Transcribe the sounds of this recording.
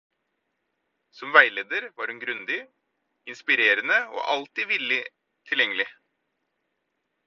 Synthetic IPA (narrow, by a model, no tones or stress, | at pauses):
sɔmʋæɪleːd̪əɾʋɑːɾhʉnɡɾʉnd̪ɪ | ɪnspɪɾeːɾənəo̰ːʔɑlt̪ɪʋɪlɪ | t̪ʰɪljɛŋəlɪ